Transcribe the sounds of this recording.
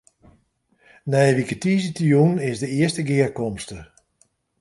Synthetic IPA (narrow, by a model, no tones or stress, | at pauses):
nɛjʋikətiːzitijunɪsdəɪəstəɡɪərkɔmstə